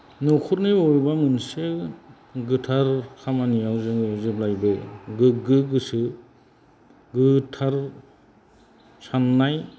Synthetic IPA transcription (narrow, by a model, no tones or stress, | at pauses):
nukʰutnɯɔɾbamɯnsɯ | ɡɯtʰaɾkʰamanijawzɯŋɯzɯblajbɯɡɯɡɯɡɯsɯ | ɡɯtʰaɾ | sanːaj